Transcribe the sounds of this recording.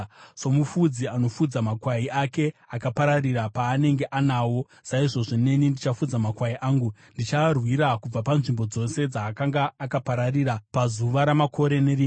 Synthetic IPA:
somufud͡ziano̞fud͡zamakwaiʔake̞akapaɾarirapaːne̞ŋɡe̞ʔanaːwo̞ | saiʐo̞ʐine̞nindit͡ʃafud͡zamakwaiʔaːŋɡundit͡ʃarwiɾakub͡vapanʐimbo̞d͡zo̞se̞d͡zaːkaŋɡaːkapaɾariɾapazuʋaɾamakʰo̞ɾe̞ne̞ri

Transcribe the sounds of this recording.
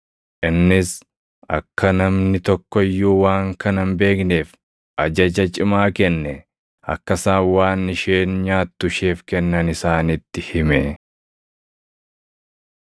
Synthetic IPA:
ʔɪnːɪs | ʔɐ̰kːɐnɐmnɪt̪ɔkːɔɪjːuːwaːŋkɐnɐmbe̞ːkneːf | ʔɐd͡ʒɐd͡ʒɐt͡ʃʼɪmaːkɛnːɛ | ɐ̰kːɐsaːwaːnːɪʃeːnɲaːt̪ːʊʃeːfkɛnːɐnɪsaːnɪt̪ːɪhɪmɛ

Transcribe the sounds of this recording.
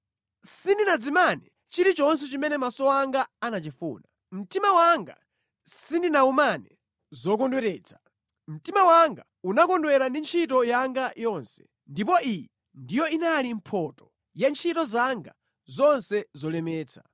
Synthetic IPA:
sindinad͡zimanɛ | t͡ʃiɾit͡ʃɔns̬ɛt͡ʃimɛnɛmasɔwaŋɡaːnat͡ʃifṵːna | m̩timawaŋɡa̰ | sindinaumanɛ | zɔkɔndwɛɾɛːt͡sʰḁ | m̩timawaŋɡa | unakɔndwɛɾandint͡ʃʰitɔjaŋɡajɔnsɛ̥ | ndipɔijɛ | ndijɔinalim̩pʰɔtɔ̥ | jant͡ʃʰitɔzaŋɡa | zɔnsɛzɔlɛmɛːt͡sʰa̰

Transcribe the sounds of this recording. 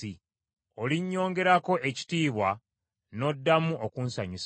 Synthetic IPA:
i | o̞liɲːo̞ːŋɡe̞ɾako̞ʔeci̥tiːβwa | no̞dːamuʔokunsaɲus

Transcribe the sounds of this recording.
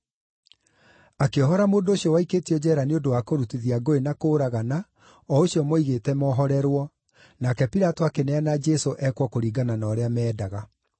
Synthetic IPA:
akeɔɦɔɾamoːndooɕjɔwaiketiɔd͡ʑɛːɾaneondowakoɾutiðiaɡoenakoːɾaɣana | ɔoɕiɔmoiɣetɛmɔɦɔɾɛɾwɔ | nakɛpiɾatoakenɛanad͡ʒɛsoʔɛkwɔkoɾiːɡananaːɾeamɛːdaɣa

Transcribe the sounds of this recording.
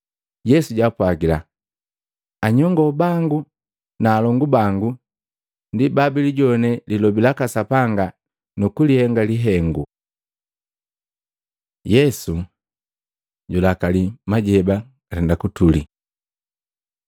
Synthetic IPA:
jɛsuɟapwaɡila | aɲɔŋɡɔbaŋɡu | naːlɔŋɡubaŋɡu | ndibabiliɟɔnɛlilɔbilakasapaŋɡa | nukulihɛŋɡaliɦɛŋɡu | jɛsu | ɟulakalimaɟɛbḁ | atɛndakutuli

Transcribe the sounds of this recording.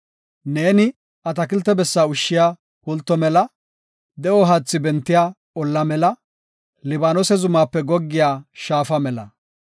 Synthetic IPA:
ne̞ːnɪ | ʔɐt̪ɐkɪlt̪ːɛbɛsːaːʊʃːɪjaː | kɔlt̪ːɔmɛlɐ | d̪ɛʔɔɦat͡sːɪbɛnt̪ːɪjaː | ɔlːɐmɛlɐ | lɪbaːnɔsɛzʊmaːpːɛɡɔɡːɪjaːʃaːfɐmɛlɐ

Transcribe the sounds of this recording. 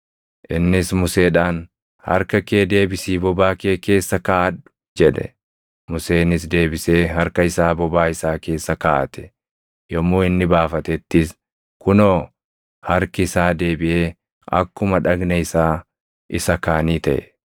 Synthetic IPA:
ʔɪnːɪsmʊse̞ːᶑaːn | hɐ̰ɾkɐkeːd̪e̞ːbɪsiːbɔbaːkeːke̞ːsːɐkaːɐᶑʊ̥ | d͡ʒɛᶑɛ̰ | mʊse̞ːnːɪs̬d̪e̞ːbɪseːɦɐɾkɐɪsaːbɔbaːɪsaːke̞ːsːɐkaːʔɐ̰t̪ɛ̥ | jɔmːoːɪnːɪbaːfɐt̪ɛt̪ːɪs | kʊnoː | hɐɾkɪɪsaːd̪eːbɪʔeː | ɐ̰kːʊmɐᶑɐɡnɐɪsaː | ʔɪsɐkaːniːt̪ɐʔɛ̰

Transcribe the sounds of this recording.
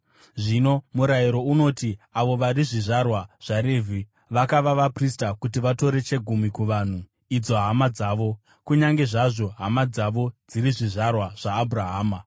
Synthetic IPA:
ʐino̞muɾaiɾo̞uno̞tiaʋo̞ʋaɾiʐiʐarwaʐ̥aɾeːvʱi | ʋakaʋaʋapristakutiʋato̞ɾe̞t͡ʃe̞ɡʱumikuʋan̤u | id͡zo̞ɦamad͡zaːʋo̞ | kuɲaŋɡe̞ʐaʐo̞ɦamad͡zaʋo̞d͡ziɾiʐiʐarwaʐ̥aːbʱuɾaɦaːma

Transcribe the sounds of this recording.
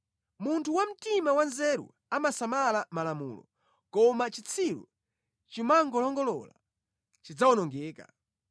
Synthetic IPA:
muntʰuwam̩timawanzɛɾṵ | amasamalamalamṵːlɔ̰ | kɔmat͡ʃit͡sʰilṵ | t͡ʃimaŋɡɔlɔŋɡɔlɔ̰la̰ | t͡ʃid͡zawɔnɔŋɡɛːka̰

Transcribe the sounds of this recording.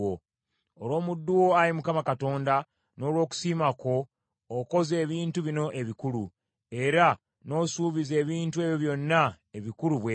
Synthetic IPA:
o | olo̞ːmudːuwo̞aɾimukamakato̞ːnda | no̞ːlwo̞ːku̥siːmako̞ː | ko̞ze̞ːβiːntuβino̞ʔe̞βikulu | e̞ɾa | no̞ːsuːβize̞ːβiːntue̞βjoβjo̞nːa | eβikuɾuβwe

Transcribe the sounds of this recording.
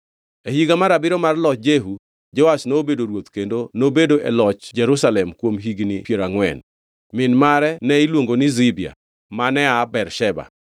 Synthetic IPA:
ehiɡamaɾabɪɾɔmarlɔt͡ʃ̚d͡ʒeɦu | d͡ʒɔasnoobedoɾwot̪kendonobedoʔɛlɔt͡ʃd͡ʒɛɾusalɛmkwomɦiɡnipjeɾaŋwɛ̰n | mɪnmaɾɛnɛilwoŋɡonɪzɪbia̰ | manɛabɛrʃɛba̰

